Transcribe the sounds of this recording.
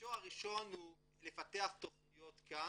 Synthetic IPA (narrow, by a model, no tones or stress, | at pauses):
oaʁiʃo̞nhu | lefat̪eaχt̪oχnijo̞t̪ka